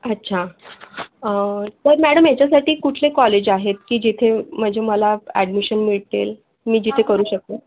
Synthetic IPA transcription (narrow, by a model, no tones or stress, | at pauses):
ətːɕʰa | ət̪əɾmæɽəmjat͡ɕjasaʈiːkuʈʰlekɔled͡ʑaɦet̪kiːd͡ʑit̪ʰeməd͡ʑʱeməlaæ̰ɽmiɕənmiɭt̪el | miːd͡ʑit̪ʰekəɾuːɕək̚t̪ə